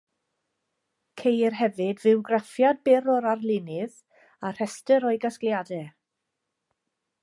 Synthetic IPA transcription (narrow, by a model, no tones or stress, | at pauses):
kʰejrɦɛvɨdvɪwɡrɛfjad̚bɛɾɔɾarlˠɪnɨð | ar̥ɛstəɾɔjɡaskljadɛ